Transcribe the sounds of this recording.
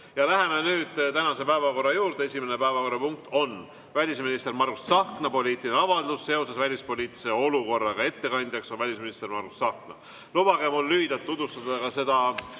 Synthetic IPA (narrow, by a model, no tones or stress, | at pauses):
jɑlæɦe̞menyːd̪̥t̪ænɑse̞pæevɑko̞rːɑjuːɾd̪eesʲimene̞pæevɑko̞rɑpuŋk̚t̪ːˑo̞n | vælʲisminist̪e̞ɾmɑrɡ̥ussɑhknɑpo̞lʲiːt̪ˑiineɑvɑld̪usːe̞o̞sesvælʲispo̞lʲiːt̪ːˑi̥seo̞luko̞rːɑɡɑe̞t̪ːe̞kɑnʲd̪jɑksovælʲisminist̪ermɑrɡ̥usːɑhknɑ | lub̥ɑɡ̥emulːyid̪̥ɑt̪̚t̪ːut̪vust̪ɑd̪ɑkɑse̞d̪ɑ